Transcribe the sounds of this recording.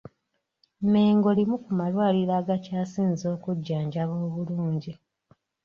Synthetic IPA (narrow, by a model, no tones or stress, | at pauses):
me̞ːŋɡo̞limukumalwaːliɾaɡacaːsiːnzo̞ːkuɟːaːɲɟaβo̞ːβuluːɲɟi